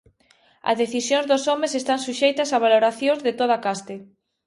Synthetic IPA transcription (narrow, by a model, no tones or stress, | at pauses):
ɐ̰zðeθisjõŋzðosomesest̪aŋsuʃejt̪ɐsaβ̞aloɾaθjõzðet̪oðakast̪e